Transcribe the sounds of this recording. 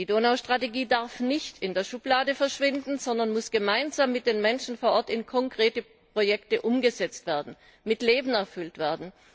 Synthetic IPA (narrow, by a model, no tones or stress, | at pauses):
d̥iːdoːnaʊʃtʁ̥ateɡiːdaɐfnɪçtʰɪndeːɐʃʊplaːdəfɛɐʃv̥ɪndn̩zɔndɐnmʊsɡ̥əmaɪnzaːmːɪt̚d̥eːnmɛnʃn̩foːɐʔɔɐtɪnkʰɔŋkʁ̥eːtə | pʁ̥ojɛktəʔʊmɡəzɛt͡stv̥eːɐdn̩ | mɪtleːbn̩ɛɐfʏltv̥eːɐdn̩